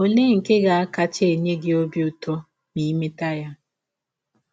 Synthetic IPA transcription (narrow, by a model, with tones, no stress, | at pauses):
o˨ne˦ŋ̩˨ke˦ɡa˨a˦ka˦t͡ʃe˨ɲe˦ɡe˦o˦bi˦ʊ˨tɔ˦ | ni˦me˦ta˦ja˦